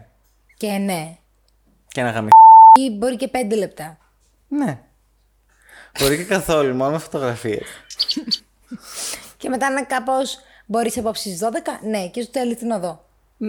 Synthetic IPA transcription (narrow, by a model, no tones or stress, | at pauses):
cene | cenɐɣɐmioibo̞ɾicepe̞nd̪e̞le̞p̚t̪ɐ | ne | b̥o̞ɾicekɐθo̞lumo̞nomefot̪o̞ɣɾɐfiḛ | ceme̞t̪ɐinɐkɐpo̞s | bo̞ɾisɐpopsiizðo̞ðe̞kɐne̞cest̪uθelist̪inɐðo